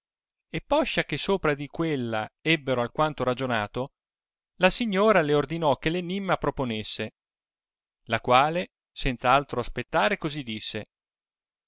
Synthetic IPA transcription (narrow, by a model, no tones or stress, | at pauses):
epːɔʃːak̟esoːpɾad̪ikwelːaɛbːeɾoalkwant̪oɾad͡ʒonaːt̪o | lasiɲːoːɾaleord̪inɔk̟ːelenimːapɾoponesːe | lakwaːle | sɛnt̪saalt̪ɾoaspet̪ːaːɾekozid̪ːisːe